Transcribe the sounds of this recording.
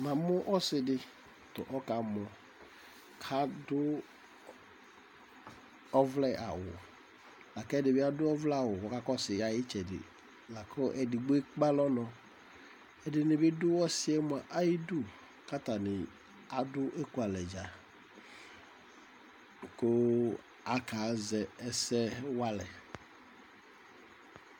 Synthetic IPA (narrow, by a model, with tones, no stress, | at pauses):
mã˨mʊ˦ʔɔ˦sɪ˨dɪ˦ | tʊ̰˨ʔɔ˦ka˨mɔ˨ | kʰa˦dʊ˦ | ɔ˦vlɛ˦ʔa̰˨wʊ̰˨ | la˨kɛ˦˨dɪ˨bɪ˦a˦dʊ˦ɔ˦vlɛ˦a˨wʊ˨wɔ˦ka˦kɔ˦sɪ˨a˨jɪ˦t͡ʃɛ˨dɪ̰˨ | la˨kʰɔ˦ʔɛ˨dɪ˨ɡ͡bʊ˦e˦k͡pa˦lɔ˦nɔ̃˨ | ɛ˨dɪ˨nɪ˨bɪ˦dʊ˦wɔ˦sɪ˦ɛ˦m˦˨a˨ʔa˦ji˦dʊ˦ | ka˦t̪a˨nɪ˨ | a˨dʊ˦ʔe˦ku˨a˨lɛ˨d͡ʒa˨ | ko˦ | a˦ka˨˦zɛ˨ɛ˨sɛ˦wa˦lɛ̰˨